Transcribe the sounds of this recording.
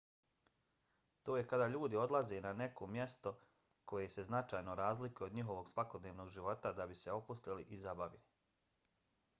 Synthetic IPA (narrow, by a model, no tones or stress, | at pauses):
t̪oːjekad̪aːʎuːd̪io̞d̪lˠaze̞nanekʰo̞mjɛst̪o̞ | ko̞jese̞znat͡ʃaːjnoɾaːzlikujeoɲiɦo̞ʋo̞ɡsʋako̞d̪neːʋno̞ːɡʒiʋo̞t̪ad̪abiseo̞pust̪iliʔizabaʋili